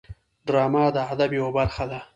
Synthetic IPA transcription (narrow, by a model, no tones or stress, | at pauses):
ɖɾɑːmaːd̪aad̪abjewobaɾxad̪a